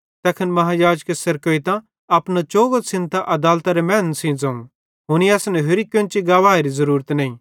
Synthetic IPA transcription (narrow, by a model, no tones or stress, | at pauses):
t̪ɛːkʰənmɐɦajaːd͡ʒkesɐɾkoit̪ã | ɐpnat͡ʃoːɡosɪ̃nt̪aʔɐd̪aːlt̪aɾemɛːnsĩd͡zɐ̃ũ | ɦʊniɐːsnɛɦʊɾikjõnt͡ʃiɡaːʋaːeɾizɐɾuːɾət̪nɐ̃ːĩː